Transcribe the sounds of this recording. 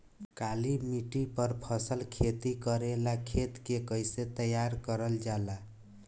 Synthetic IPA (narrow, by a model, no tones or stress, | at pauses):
kalimiʈipəɾpʰəsəlkʰet̪ikəɾelakʰet̪kekəjset̪əjaɾkəɾəld͡ʒala